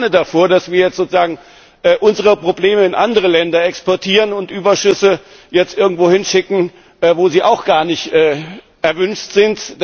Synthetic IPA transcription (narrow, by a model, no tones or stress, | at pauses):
nədafoːɐdasv̥iːɐjɛt͡stz̥oːt͡sʊz̥aːɡŋ̩ | ʔɛːʔʊnzəʁ̞əpʁ̥obleːməɪnʔandəʁ̞əlɛndɐɛkspɔɐtʰiːʁ̞ənʊntʔyːbɐʃʏsə | jɛt͡stʔɪɐɡŋ̩tv̥oːhɪnʃɪkŋ̩ | ʔɛːvoːziːʔaʊxɡ̥aːɐnɪçtʔɛː | ʔɛɐvʏnʃtz̥ɪntd̥